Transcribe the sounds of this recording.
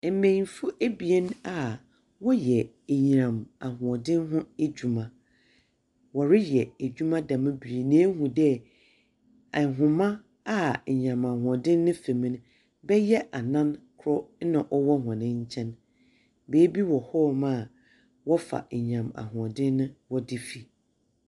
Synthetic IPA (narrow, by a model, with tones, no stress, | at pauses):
mẽ˨fʊ˦ʔe˦bi˨ɛ˦na˨ | wɔ˦jɛ˨ | e˨ɲ˨ɾã˨ma˨hʊ̃˨ɔ˨dɪ̃˦nɦʊ̃˦e˦d͡ʑᶣu˨mã˨ | wɔ˨ɾɪ˦jɛ˨æ˨d͡ʑᶣu˦mã˦dã˨mã˦bi˨nẽ˨˦ɦũ˨dɛ˦ | a˨ɦʊ̃˨mã˦ | a˦˨ɲ˨ã˨mã˨hʊ̃˨ɔ˨dɪ̃˦nːɪ̃˦fe˨mĩ˦n˦ | bɛ˦jɛ˦ʔa˨nã˦nkʰɾɔ˦nã˨ʔɔ˦wɔ˦ɦɔ̃˨nɪ̃˦ɲ̩˦t͡ɕʰɛ̃˦n | beː˨˦bi˦wɔ˨hɔ˦˨mã˦˨ | wɔ˦fa̰˨e˨ɲ˨ã˨ma̰˨ɦʊ̃˨ɔ˨dɪ̃˦nːʊ̃˦wɔ˦dɪ˦fi˨